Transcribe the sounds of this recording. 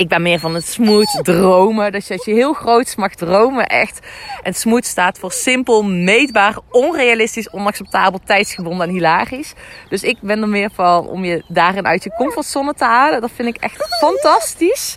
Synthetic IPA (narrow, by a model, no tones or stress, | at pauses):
ɪɡ̚bɛnmɪːɹvɑnətsmutdrowmədɑsjsjəɦɪːlˠxrowtsmɑxdrowməʔɛ̰xtʔɛntsmutstaːtfʊːɹsɪmpəlˠmejdbaːrɔnrejalɪstisɔnɑksɛp̚taːbəlˠtɛjtsxəbɔndəɛnɦilaːrisd̥ɵsɪk̚bɛnəmɪːɹvɑnɔ̰mjədaːrɪnʔœ̰ɥtjəkɔmfɔrtsɔnətəɦaːlədɑtfɪndɪkɛ̰xtfɑntɑstis